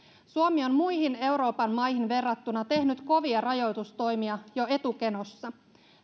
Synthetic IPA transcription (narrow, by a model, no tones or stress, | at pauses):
suomio̞nmujhine̞wɾo̞ːpɑnmɑjhinʋe̞rːɑt̪ːunɑt̪e̞hnyt̪ko̞ʋiɑrɑjo̞jt̪ust̪o̞jmiɑjo̞e̞t̪uke̞no̞sːɑ